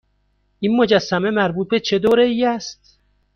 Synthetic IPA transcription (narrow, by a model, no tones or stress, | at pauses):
ʔiːnmod͡ʒæsːæmemæɾbuːt̪̚bet͡ʃʰed̪oːɾeijæst̪̚